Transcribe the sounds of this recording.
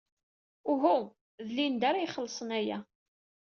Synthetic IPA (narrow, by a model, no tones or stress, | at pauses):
ʊɦu | ðlind̪aɾajχəlːsˤənæjæ̰